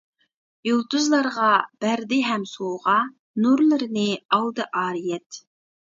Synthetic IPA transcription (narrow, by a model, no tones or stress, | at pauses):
julˠt̪uzlˠɑɾʁɑb̥æɾd̪ɪɦɛmsoʁɑ | nuɾlˠɨɾɨnɨɑld̪ɨʔɑːɾijɛt̪